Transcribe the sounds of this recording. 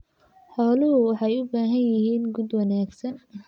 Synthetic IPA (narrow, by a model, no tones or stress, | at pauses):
ħɔːlʊɦʊwɑħɑjʊbaːɦɐnjɪɦiːnɡud̪wɑnaːɡsɐn